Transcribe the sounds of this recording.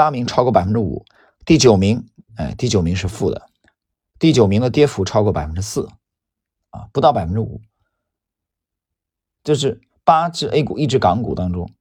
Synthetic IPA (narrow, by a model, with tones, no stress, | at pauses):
a˥mi˧˥ŋʈ͡ʂʰɑ˥ʊkwɔ˥˩pa˨˩ɪfə˥ʈ͡ʂɻṵ˨˩˦ | t̪i˥˩t͡ɕjo˨˩ʊmi˧˥ŋe˥˧ɪt̪i˥˩t͡ɕjo˨˩ʊmi˧˥ŋʂɻ̩˥˧fu˥˩d̪ə̰˩ | t̪i˥˩t͡ɕjo˨˩ʊmi˧˥ŋd̪ə˧t̪jɛ˥fu˧˥ʈ͡ʂʰɑ˥ʊkɔ˥˩pa̰˨˩fə˥nʈ͡ʂɻ̩˥sɹ̩˥˩ | ɐ̰˧pu˧˥t̪ɑ˥˩ʊpa˨˩ɪfə˥nʈ͡ʂɻ̩˥ṵ˨˩˦ | t͡ɕjo˥˧ʊʂ̬ɻ̩˥˩ | pa˥ʈ͡ʂɻ̩˥˩˧ʔe˥ɪkṵ˨˩i˥˩ʈ͡ʂɻ̩˥kɑ˧˥ŋkṵ˨˩t̪ɑ˥ŋʈ͡ʂʊ̰˥ŋ